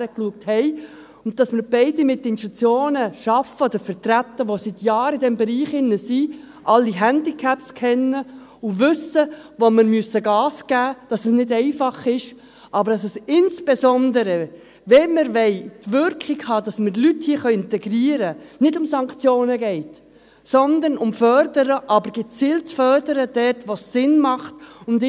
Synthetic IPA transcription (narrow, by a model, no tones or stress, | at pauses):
ɾəkluək̚thɛɪ | ʊnt̚dɑsmɪɾb̥ɛɪdimɪtːəɪnstut͡sjoːnəʃɑfəod̪əɾfəɾt̪ɾæt̪ːəʋosit̪jɑːɾɪdɛmbɛɾiːχɪnːəsiʔɑlːiɦænd̥ikʰæpskʰɛnːə | ʊʋʏsəʋoməɾmyəsːəɡɑːsɡ̥æːd̥ɑsɛsnɪdɛɪfɑχɪʃ | ʔɑbəɾɑs̬ɛsɪnsb̥esɔnd̪əɾə | ʋɛməɾvɛɪtʋʏɾkχiɡhɑdɑsməɾlythiːəχœʏɪntɛɡɾiːəɾənɪdʊmsɑŋkt͡sjoːnəɡɛɪt | sɔnd̪ənʊmfœɾdəɾəʔɑbəɾɡ̥ɛt͡siːlt͡sfœrdəɾəd̥ɛtʋosːɪnmɑχtʊnd